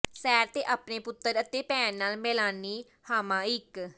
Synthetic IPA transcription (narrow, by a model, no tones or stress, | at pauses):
sɛːɾt̪eːʔaːpneːpʊt̪ːəɾət̪eːpɛ̃ːnːaːlmɪlaːniː | haːmãːɪk